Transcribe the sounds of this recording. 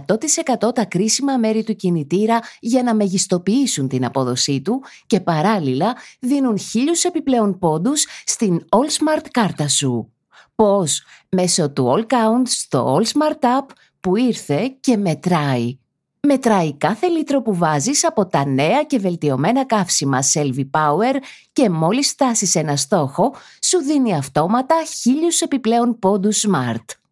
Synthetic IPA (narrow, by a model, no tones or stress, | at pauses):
t̪o̞t̪ise̞kɐt̪o̞t̪ɐkɾisimɐme̞ɾit̪ucinit̪iɾɐʝɐnɐmɐʝist̪o̞piisunt̪inɐpo̞ðo̞sit̪uce̞pɐɾɐlilɐðinunçiʎuse̞piple̞o̞npo̞d̪usːt̪ino̞lsmɐɾt̪kɐɾt̪ɐsu | po̞sme̞so̞t̪uolkɐunt̪st̪o̞̰olsmɐɾt̪ɐpː | uiɾθe̞ce̞me̞t̪ɾɐi | me̞t̪ɾɐikɐθe̞lit̪ɾo̞puvɐzisɐpo̞t̪ɐne̞ɐce̞ve̞lt̪io̞me̞nɐkɐfsimɐse̞lvipɐue̞ɾce̞mo̞lisft̪ɐsise̞nɐst̪o̞xo̞ | suðiniɐft̪o̞mɐt̪ɐçiʎuse̞piple̞o̞npo̞d̪usmɐɾt̪